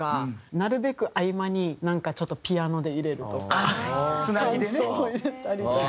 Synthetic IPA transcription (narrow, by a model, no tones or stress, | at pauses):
anaɾɯ̟be̞kɯ̟ʔaimaɲ̟inãŋkat͡ɕo̞t̪ːo̞pʲiano̞d̪e̞iɾe̞ɾɯ̟t̪o̞kaɨnaid̪eooiɾe̞t̪aɾʲit̪ok